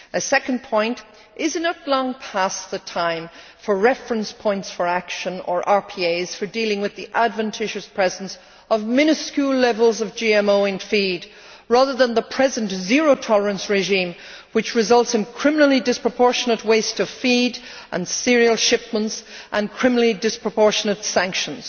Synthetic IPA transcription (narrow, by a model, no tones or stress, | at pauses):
ɨsɛkə̃n̩pʰɔ̃ɪ̃nt | ʔɪzɨ̃nətˡlɔ̃ŋpʰasðətʰãɪ̃ɱ | fə˞ɹɛfɹə̃nspʰɔ̃ɪ̃ntsfə˞akʃə̃nə̰˞ʔɑɹpʰieɪz̥fə˞dilˠɪ̃ŋwɨðiʔadvɨ̃ntʰɪʒɨspʰɹ̥ɛzə̃ns | ʌvmɪ̃nɨskjʉlɛvəlˠzʌvd͡ʒiɛ̃moʊɪ̃nfid | ɹaðə˞ðə̃nðəpʰɹ̥ɛzə̃ntzɪɹoʊtʰɑlˠə˞ə̃nsɹɪʒĩm | wɨt͡ʃɹɨzʌlˠtsɨ̃nkʰɹ̥ɪ̃mənl̩ˠidɪspɹ̥əpʰɔɹʃənət̚weɪstʌv̥fiɾ | ʔə̰̃nsɪɹiəlˠʃɪp̚mə̃ntsʔə̃nkʰɹ̥ɪ̃mənl̩ˠidɪspɹ̥əpʰɔɹʃənətsæ̃ŋkʃə̃nz̥